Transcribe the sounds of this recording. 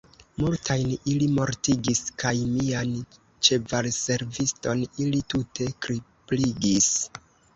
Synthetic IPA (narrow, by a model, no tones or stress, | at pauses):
multʰajnilimo̞ɾtiɡiskajmian | t͡ʃe̞valse̞ɾvisto̞nilitutʰe̞kɾipliɡis